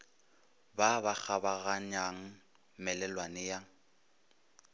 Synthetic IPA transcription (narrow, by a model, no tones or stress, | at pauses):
babak͡xabaɣaɲaŋ̩ | mɛlɛlwanɪja